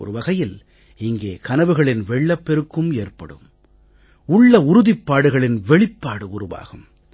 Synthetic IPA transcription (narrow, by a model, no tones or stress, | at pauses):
ɔ̰ɾɯʋɐɣɐjɪl | ɪŋɡeːkɐnɐʋɯɣɐɭɪnʋɛɭːɐpːɛɾɯkːɯmeːrpɐɽɯ̰m | ʊɭːɐʊɾʊðɪpːaːɽɯɣɐɭɪnʋɛɭɪpːaːɽɯʊɾʊʋa̰ːɣɯm